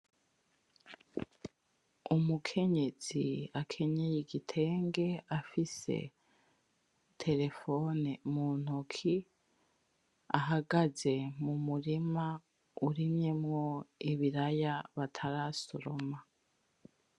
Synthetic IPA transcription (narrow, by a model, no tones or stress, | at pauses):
umukʰe̞ɲe̞z̥iakʰe̞ɲejeɡitʰe̞ːŋɡe̞afise̞̰ | tʰe̞ɾe̞fo̞nemuːn̥ukʰi | a̰ɦaɡaze̞mumuɾima | uɾiɲɲemŋo̞iβiɾajaβatʰaɾasoɾoma